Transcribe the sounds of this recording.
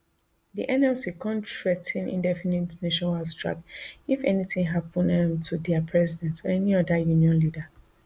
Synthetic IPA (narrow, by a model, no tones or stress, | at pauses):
dḭʔɛ̃nɛlsikʰɔ̃ntɹɛtʰĩnḭ̃ndɛfinitneʃɔ̃nastʰɹ̥a̰k̚ifɛ̰niθĩŋɦapɔ̃nãntʰudɛapʰɹɛzidɛ̃ntɔɛniɔdajuniɔ̃nlida